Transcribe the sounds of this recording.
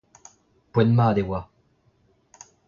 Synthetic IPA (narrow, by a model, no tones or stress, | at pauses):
pwɛnmaːd̪ewa